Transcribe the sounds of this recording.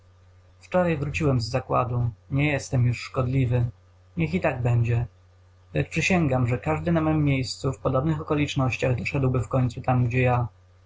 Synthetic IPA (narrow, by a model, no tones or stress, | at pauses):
ft͡ʂɔɾajvɾut͡ɕiwɛmzːakwa̰d̪uɲɛjɛst̪ɛmjuʂːkɔd̪lʲivɘ | ɲɛxit̪aɡ̚bɛɲd͡ʑɛ | lɛt͡ʂpʂɘɕɛŋɡamʐɛkaʐd̪ɘnamɔjmːʲjejst̪sufpɔd̪ɔbnɘxɔkɔlʲit͡ʂnɔɕt͡ɕaɣd̪ɔʂɛd̪wbɘfkɔɲʲt̪sut̪amɡd͡ʑɛja